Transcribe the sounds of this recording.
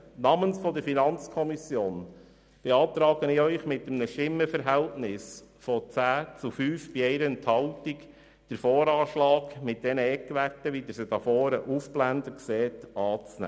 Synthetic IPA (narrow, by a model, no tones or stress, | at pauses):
nɑmənsfɔd̪əɾfinɑnt͡skʰɔmisjoːn | b̥eɑːt̪ɾɑːɡənɪœʏχmɪtːəmnəʃɪmːəfəɾɦæltnɪsfɔt͡sæːt͡sufyːfb̥iɛɪɾənt̪hɑltik | d̥əɾfɔːɾɑːʃlɑːkmɪt̚d̥ɛnəɛkʋærtəʋid̪əɾsədɑfɔːɾəʔufblændəkseːt̪ɑːt͡snæ̰ː